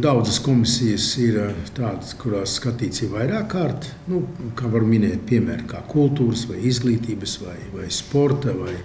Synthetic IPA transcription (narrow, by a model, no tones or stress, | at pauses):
d̪awd̪zəskɔmisijəsiɾt̪aːd̪skuɾaːsskat̪iːt̪siɾʋajɾaːkːaːɾt̪ | nukaːvaɾminɛːt̪̚pʲiɛmæ̰ːɾkaːkʰulˠt̪uːɾəsʋajizɡlˠiːt̪iːbəsʋajvajspoɾt̪avaj